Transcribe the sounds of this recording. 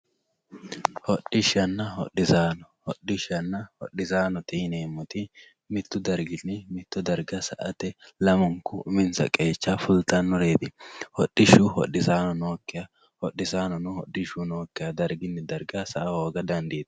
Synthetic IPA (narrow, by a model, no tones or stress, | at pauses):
hɔɗɪʃɐnːɐhɔ̰ɗːɪzaːnɔhɔɗːɪʃɐnːɐhɔ̰ɗɪzaːnɔt̪ɛneːmːɔt̪ɪ | mɪt̪ːʊd̪ɐɾɡɪnːɪmɪt̪ːʊd̪ɐɾɡɐsɐʔɐt̪ɛlɐmɔŋkʊmɪnsɐ̰kʼeːt͡ʃːafʊlt̪ɐnːɔɾe̞ːd̪ɪhɔ̰ɗːɪʃʊhɔ̰ɗɪzaːnɔnoːkːɪjɐ | hɔɗːɪzaːnɔnʊhɔɗːɪʃuno̞ːkːɪjɐd̪ɐɾɡɪnːɪd̪ɐɾɡɐsɐʔɐhoːɡɐd̪ɐnd̪iːd̪ɐ̥